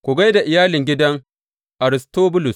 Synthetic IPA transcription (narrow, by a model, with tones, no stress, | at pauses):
kʷʊ˨ɡa˦jda˨ʔɪ˨jaː˦lɪ˨ŋɡʲɪ˦dɐ˦ŋ | ʔa˨ɾɪ˨stoː˦bʊ˦lʊ˨s